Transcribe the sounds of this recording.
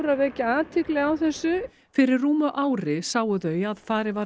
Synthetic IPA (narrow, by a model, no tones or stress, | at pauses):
ɾavɛːcɪaːt̪ʰɪklɛɣawθɛsːʏ | fɪɾɪrːuːmʏʔaːwɾɪsaːwʏðœːɥaðfaːɾɪva